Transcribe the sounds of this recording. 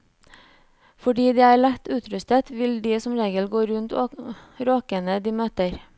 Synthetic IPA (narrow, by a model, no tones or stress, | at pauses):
fɔɖiːd̪iːæːɾɭɛt̪ʉːt̪ʰɾʉst̪ət̪ʋɪld̪iːsɔmɾeːɡəlɡoːɾʉnt̪oɾoːkənəd̪iːmøːt̪əɾ